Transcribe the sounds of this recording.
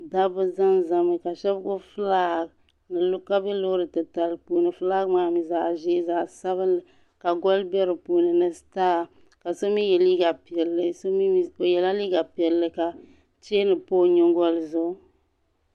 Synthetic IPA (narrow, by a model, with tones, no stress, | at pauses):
da˦bɨ˦za˦nza˨mɨ˨ka˨ʃɛ˦bɡʊ˦fɨ˦laː˦ɡ | nɨ˨lʊ˦ka˦bɛ˦lo˦ɾɨ˨tɨ˨ta˨lpuː˦nɨ˨fɨ˦laː˦ɡmaː˦mi˨za˨ʒe˦za˨sa˦βɨ˦nlɨ˨ | ka˨ɡɔ˦lbɛ˦ɾɨ˨puː˨nɨ˨nɨ˨staː˦˨ | ka˨so˦mi˦jɛ˨li˦ɡa˨pi˨ɛ˨lːɨ˨so˦mi˦i˦˨jɛ˨la˦liː˦ɡa˨pi˨ɛ˨lːɨ˨ka˨ | t͡ʃe˦nɨ˨poː˦˨ɲɪ˦ŋɡɔ˦lzʊ˦